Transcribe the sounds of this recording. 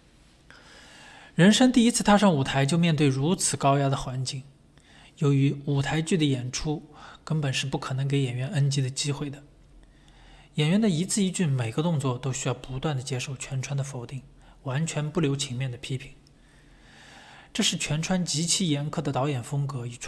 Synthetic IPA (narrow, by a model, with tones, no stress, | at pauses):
ɻə˧˥nʂə˥ŋt̪i˥˩i˥t͡sʰɹ̩˥˧t̪ʰa˥˧ʂɑ˥˩ŋu˨˩t̪ʰa˧˥ɪt͡ɕjo˥˧ʊmjɛ˥˧nt̪we˥˩ɪɻu˧˥t͡sʰɹ̩˨˩kɑ˥ʊja˥d̪ə˨xwa˧˥nt͡ɕi˥˩ŋ | jo˧˥ʊy˧˥u˨˩t̪ʰa˧˥ɪt͡ɕy˥˩d̪ə˩jɛ˨˩nʈ͡ʂʰu˥kə˥npə˨˩nʂɻ̩˥˧pu˥˩kʰɤ˨˩nɤ˧˥ŋk̬e˧˥ɪjɛ˨˩nɥɛ˧˥nə˥nt͡ɕi˧˥d̪ə˨t͡ɕi˥xwe˥˩ɪd̪ə˩ | jɛ˨˩nɥɛ˧˥nd̪ə˨i˧˥t͡sʰɹ̩˥˧i˥t͡ɕy˥˩nme˨˩ɪɡə˦t̪ʊ˥˧ŋt͡swɔ˥˩t̪o˥ʊɕy˥jɑ˥˩ʊpu˧˥t̪wa˥˩nd̪ə˩t͡ɕjɛ˥ʂo˥˩ʊt͡ɕʰɥɛ˧˥nʈ͡ʂʰwa˥nd̪ə˨fo˧˥ʊt̪i˥˩ŋ | wa˧˥nt͡ɕʰɥɛ˧˥npu˥˩ljo˧˥ʊt͡ɕʰi˧˥ŋmjɛ˥˩nd̪ə˩pʰi˥pʰi̥˧˩˦ŋ | ʈ͡ʂɤ˥˧ʂɻ̩˥˩t͡ɕʰɥɛ˧˥nʈ͡ʂʰwa˥nt͡ɕi˧˥t͡ɕʰi˥jɛ˧˥nkʰɤ˥˩d̪ə˩t̪ɑ˧˥ʊjɛ˨˩nfɤ˥ŋkɤ˧˥i˨˩ʈ͡ʂʰ